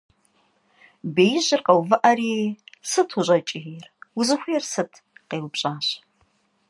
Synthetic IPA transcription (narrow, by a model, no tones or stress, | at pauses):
beːjɪʑɪrqɐwvɨʔɐɾiːsɨtʰuʑʼɐt͡ʃʼɪirwʊzɨxʷʊjɛrsɨtʰ | qeːwpɕʼaːɕ